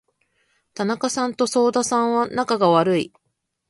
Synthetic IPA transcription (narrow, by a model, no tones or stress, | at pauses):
t̪anakasãnt̪o̞so̞ːd̪asãɰ̃βanakaɡaβaɾɯ̟i